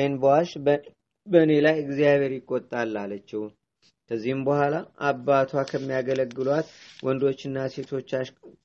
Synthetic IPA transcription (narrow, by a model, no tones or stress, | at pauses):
jnbəwaʃ | bəne̞lajɨɡzijaβʱe̞ɾjɪkʼːot̪ʼːalːalət͡ʃːɛw | kʰəzːihɨmbəhʷalaabːat̪ʰwakʰəmːijaɡələɡːɨlwat̪wʔɔnd̪o̞t͡ʃːɨnːase̞t̪ʰo̞t͡ʃːaʃ